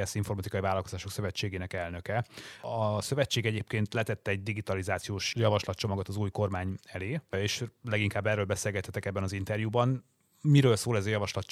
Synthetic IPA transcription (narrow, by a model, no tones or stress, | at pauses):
ɛsiɱfo̞rmɒt̪ikɒjivaːlɒlkozaːʃo̞ksøvɛt͡ʃːeːɡeːnɛkɛlnøkɛɒsø̞vɛt͡ʃːeːɡɛɟeːpkeːnt̪lɛt̪ɛt̪ːɛɛɟ̚d̪iɡit̪ɒlizaːt̪sijoːʃjɒvɒʃlɒt̪t͡ʃo̞mɒɡot̪ɒzuːjko̞rmaːɲɛleːeːʃlɛɡiŋkaːbːɛrːøːlbɛseːlɡɛt̪hːɛt̪ɛkɛbːɛnɒzint̪ɛrjubɒn | miɾøːlsoːlɛzɒjɒvɒʃlɒt̪t͡ʃ